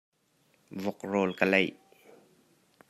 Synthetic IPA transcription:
vɔk̚rɔːlkəlɛj

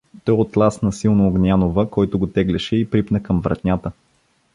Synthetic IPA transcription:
t̪ɔjot̪lˠasnɐsilˠnʊːɡnʲanovəkɔjt̪ʊɡot̪ɛɡlɛʃɛipɾipnəkɐmvɾɐ̰t̪nʲat̪ə

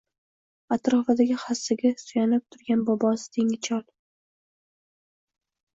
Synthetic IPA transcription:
at̪ɾɒfad̪aɡʲɪχasːɪɡʲasʊjanɪp̚t̪ʰʊɾɡʲanbɒbɒsɪ̥t̪ʰeŋɪt͡ʃʰɒlˠ

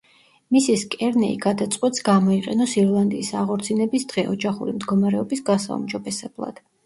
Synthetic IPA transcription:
misiskʼɛɾnɛḭɡad̪at̪sʼqʼwɛt̪sɡamɔiqʼɛnɔsiɾlˠand̪iːsaʁɔɾt̪sʰinɛbisd̪̥ʁɛʔɔd͡ʒaχṵɾimd̪ɡɔmaɾɛɔbisɡasa̰ṵmd͡ʒɔbɛsɛblˠa̰d̪̥

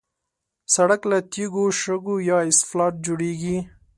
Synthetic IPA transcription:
saɽaklat̪iɡoʃəɡojɑɪsflɑʈ̚d͡ʒoɽeɡi

